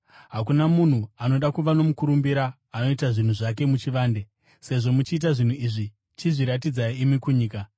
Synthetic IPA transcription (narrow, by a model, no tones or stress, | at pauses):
ɦak̬unamun̤uano̞ɗakuʋano̞mukuɾumbiɾaː | no̞itaʐin̤uʐak̬e̞mut͡ʃiʋaːnde̞ | se̞ʐo̞mut͡ʃiːt̬aʐin̤uiʐi | t͡ʃiʐiɾatid͡zaiimikuɲiːka